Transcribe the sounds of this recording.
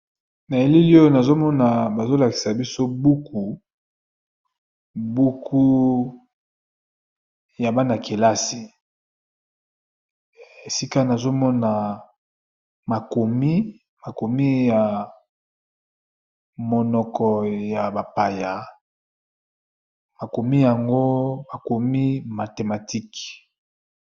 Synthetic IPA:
na˨e˨li˦li˦o˦o˦na˨zo˦mɔ˦na˨ba˨zo˦la˨ki̥˨sa˨bi˦so˦bu˦kʰu˨ | bu˦kʰu˦ | ja˨ba˦na˨ke˨la˦si˨ | e˨si˦ka˦na˨zo˦mɔ˦na˨ | ma˨ko˨mi˦ | ma˨ko˨mi˦ja˨ | mɔ˨nɔ˨kɔ˨ja˨ba˨pa˨ja˨ | ma˨ko˨mi˦ja˨ŋɡo˦ma˨ko˨mi˦ma˨te˨ma˨ti˦k

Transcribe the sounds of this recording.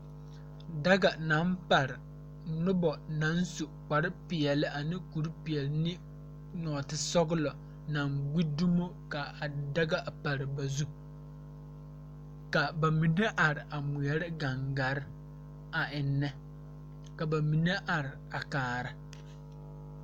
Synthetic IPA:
da˦ɡa˨nã˨˦mpa˨ɾɪ˨ | nʊ˦bɔ˨nã˨˦n˦su˨k͡pa˨ɾɪ˦pɪ˨ɛ˨lɪ˦a˨nɪ̃˦ku˨ɾpi˨ɛ˨lɪ˦nɪ̃˦ | nɔː˨tɪ˦sɔ˦ɡʊ˦lɔ˨ | nã˨ŋɡ͡bi˦du˦mo˦ | ka˨a˨da˦ɡa˦ʔpa˨ɾɪ˨ba˨zu˦ | ka˨ba˨mi˨ne˦ʔa˨ɾɪ˨ʔa˨mu˨ɛ˦ɾɪ˦ɡa˨ŋɡa˨˦ɾɪ˦ | a˨ɪ˨nːɛ˦ | ka˨ba˨mi˨ne˦ʔa˨ɾɪ˨ | a˨kaː˨ɾa˨

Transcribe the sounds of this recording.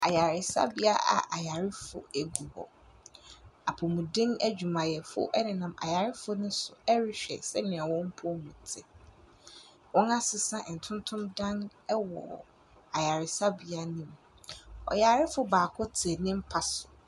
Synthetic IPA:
a˨ja˨ɾɪ˨sa̰˦bɪ˦a˦ʔa̰˨ʔa˨ja˨ɾɪ˦fʊ̰˨ɛ˨ɡu˨bɔ̰˨ | a˨pʰɔ˨mũ˨dɪ̃˦næ˦d͡ʑᶣu˨mã˨jɛ˨fʊ̰˦ʔɛ˦nɪ̃˨nã˨ma̰˨ja˨ɾɪ˦fʊ˦nʊ̃˦sʊ˨ɛ˦ɾɪ˦ɕᶣɛ̰˨sɛ˦nɪ̃˨a˨wɔ̃˦m̩˦pʰʊ˦mũ˨tʰɪ˦ | wɔ̃˦na˦sɪ˨sã˦ʔn̩˨tʰʊ̃˦n˦tʰʊ̃˦mdã˦nɛ˦wɔ̰˨ | a˨ja˨ɾɪ˨sa˦bi˦a˦nĩ˨m | ɔ̰˨ja˨ɾɪ˦fʊ˨baː˨kʰʊ˦tʰɛ˨nɪ̃˦m̩˦pʰa˨sʊ̥˨

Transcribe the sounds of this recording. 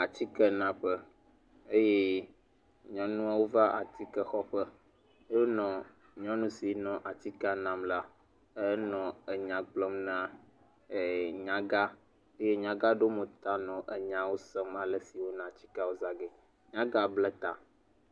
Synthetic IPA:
a˨t͡ɕi˦kɛ˦nã˨ɸɛ˦ | e˦je˦ | ɲɔ̃˦nũ˦a˦wo˦va˦a˨t̪i˦kɛ˦xɔ˦ɸə˦ | e˦jo˦nɔ̃˨ | ɲɔ̃˦nũ˦si˨nɔ̃˨ʔa˨t̪i˦ka˦nã˨mla˦ | ɛ˦nɔ̃˨ə˨ɲã˨k͡plɔ˦mnã˦˨ | ɲã˦ɡa˦ | e˦je˦ɲã˨ɡa˦ɖo˦mə˨t̪a˦nɔ̃˨ʔə˨ɲã˨wo˦sɛ˦ma˨lɛ˨si˨wo˦nã˨t͡ɕi̥˦ka˦wo˦za˦ɡɛ˨ | ɲã˦ɡa˦blɛ˦t̪a̰˨

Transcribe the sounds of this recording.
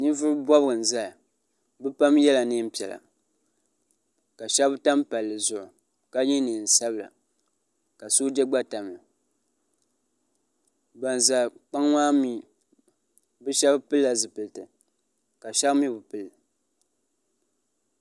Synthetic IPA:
ni˦vʊ˦ɾbɔ˦bɨ˦ɡɨ˨n̩˨za˦˨ | bɨ˦pa˦mjɛ˦la˨nɨ˦m̩˦pi˨ɛ˨la̰˨ | ka˨ʃɛ˦bta˦mpa˨lːɨ˨zʊ˨ʔʊ˨ | ka˦ɲi˦nɨ˨n̩˨sa˦bɨ˦la̰˨ | ka˨so˦d͡ʒɛ˦ɡ͡ba˦ta˨m˨ | ba˨nza˨k͡pa˦ŋŋaː˦mi˨ | bɨ˦ʃɛ˦bpɨ˦lːa˨zɨ˨pɨ˨ltɨ˨ | ka˨ʃa˦kmi˦bɨ˨pɨ˨lɨ˨

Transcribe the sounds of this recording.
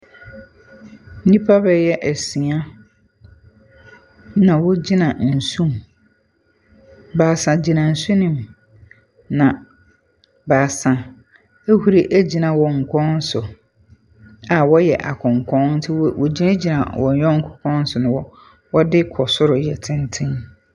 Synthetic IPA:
n̩˦nĩ˦pʰa˦bɛ˨jɛ˦ʔæ˨si˨a˦ | nã˨wʊ˦d͡ʑi˦nã˨n̩˨sũ˦m | baː˨sã˨d͡ʑi˨nã˨n̩˨sʊ˦nĩ˨m | nã˨ | ba˨sã˨ | e˦hu˦ɾi˦ʔæ˦d͡ʑi˨nã˨wɔ˨ŋ̩˨kʰɔ̃˦n̩˦sʊ˨ | a˨wɔ˦jɛ̰˨ʔa˨kʰʊ̃˨ŋ˨kʰɔ̃˦n̩˦tʰɪ˦wɔ˨d͡ʑi˦na˦d͡ʑi˨nã˨wɔ˨n˨jɔ˦ŋ̩˦kʰɔ̥˨kʰɔ̃˦n̩˦sʊ˨nʊ̃˨wɔ˦ | wɔ˦dɪ˦kʰɔ˨sʊ˦ɾʊ˨jɛ˨tʰɪ̃˦n˦tʰɪ̃˦n

